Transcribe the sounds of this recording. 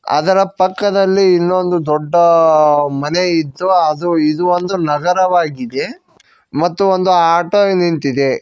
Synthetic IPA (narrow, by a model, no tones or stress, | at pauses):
ɐ̰d̪ɐɾɐpɐkːɐd̪ɐlːiːnːo̞nd̪ud̪ɔɖːɐ | mɐne̞id̪ːuɐd̪uid̪uond̪unɐɡɐɾɐʋaːɡid̪e̞ | mɐt̪ːuond̪uaːʈonint̪id̪e̞